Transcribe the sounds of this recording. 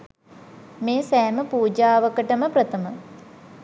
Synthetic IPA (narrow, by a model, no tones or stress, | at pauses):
meːsæːməpuːd͡ʒaːʋəkəʈəməprət̪əmə